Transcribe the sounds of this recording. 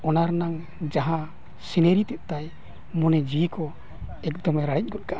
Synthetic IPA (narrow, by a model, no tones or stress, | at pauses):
ɔnaɾnaŋ | d͡ʒaɦã | sineɾit̪ɛʔ̚t̪aj | mɔnɛd͡ʒikɔ | ɛkd̪ɔmɛɾaɽic̚ˀɡɔt̪̚kaʔa